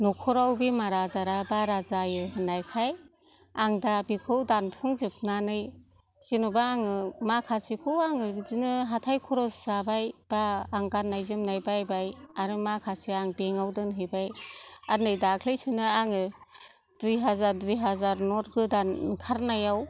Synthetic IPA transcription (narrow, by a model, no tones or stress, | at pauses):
nɔkʰɔɾawbimaɾazaɾabaɾazajɯɦɯnajkʰaj | aŋdabikʰɯwdanpʰuŋzɯp̚nanɯj | sinubaːŋɯmakʰasikʰɯwaŋɯzinɯɦatʰajkʰɔɾɔszabajb̥aːŋɡanːajzɯmnajbajbajaɾɯmakʰasiaŋbeŋawdɯnɦɯjbajanɯjdakʰlejsɯnɯaŋɯ | dujɦazaɾdijɦazaɾnɔɾɡɯdankʰaɾnajaw